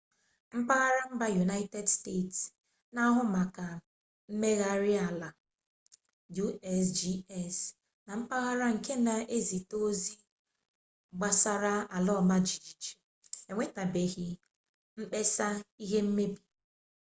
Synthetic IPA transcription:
m̩˦pa˦ɣa˦ɾa˦m̩˦ba˦ju˨na˦ɪ˦te˦dste˦˨ts | na˦ɦʊ˦ma˨ka˨ | m̩˦me˦ɣa˦ɾɪ˦a˨la˨ | ju˦ɛ˦sd͡ʒi˦ɛ˨s | na˨m̩˦pa˦ɣa˦ɾa˦ŋ̩˨ke˦na˨ʔe˦zi˨to˦zi˦ | ɡ͡ba˨sa˦ɾa˦a˨lɔ˦˨ma˦d͡ʒi˨d͡ʒi˨t͡ʃi̥˨ | e˨ŋʷe˦ta˨be˨ɣi˦ | m̩˦k͡pe˦sa˦i˦ɦe˦m̩˦me˦bi̥˨

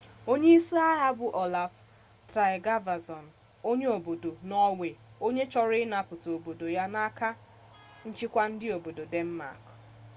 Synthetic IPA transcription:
o˦ɲe˦i˦si˦a˦ɦa˦bʊ˨ʔo˨la˨f | tɾa˨ɪ˨ɡa˦va˨sɔ˨n̩˨ | o˦ɲe˦o˨bo˨do˨nɔ˦we˨o˦ɲe˦t͡ʃɔ˦ɾɪ˦na˨pʊ˨to˨bo˨do˨ja˦na˦ka˦ | n̩˦t͡ʃɪ˦kʷa˦n̩˦dɪ˦o˨bo˨do˨de˦m̩˦ma̰˨k

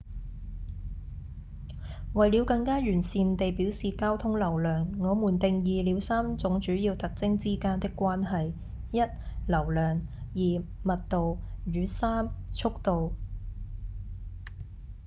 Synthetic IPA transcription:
wɐ˨jliː˨˧wkɐ˧ŋkaː˥jyː˨˩nsiː˨nt̪e˨jpiː˨˥wsiː˨kaː˥wt̪ʰʊ˥ŋlɐ˨˩wlœː˨ŋːɔː˨˧muː˨˩nt̪ɪ˨ŋjiː˨liː˨˧˥wsaː˥mt͡sʊ˨˥ŋt͡ʃyː˨˥jiː˧wt̪ɐ˨k̚t͡sɪ˥ŋt͡siː˥kaː˥nt̪ɪ˥kːʷwaː˥nɦɐ˨j | jɐ˥t̚lɐ˨˩wlœː˨˩ŋjiː˨˩mɐ˨t̚t̪o˨wjyː˨˧saː˥mt͡ʃʰʊ˥k̚t̪o˨w

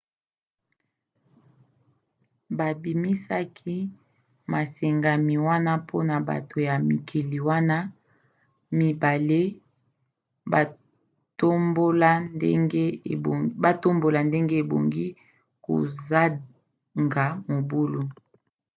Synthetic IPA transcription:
ba˨bi˨mi˦sa˦kʰi˦ | ma˨se˨ŋɡa˨mi˨wa˦na˦pʰo˦na˨ba̰˨to˨ja˨mi˨kʰi˨li˨wa˦na˦ | mi˨ba˨le˦ | ba˨ | to˦mbo˦la˦ŋɡe˦˨ba˦to˦mbo˨la˨nde˦ŋɡe˦e˨bo̰˨ŋɡi˦ | ko̰˨za˦ | ŋɡa˨mo˨bo˦lo˦

